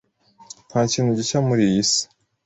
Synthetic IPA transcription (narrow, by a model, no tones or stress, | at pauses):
n̥hacinuɟicamuɾijisi̥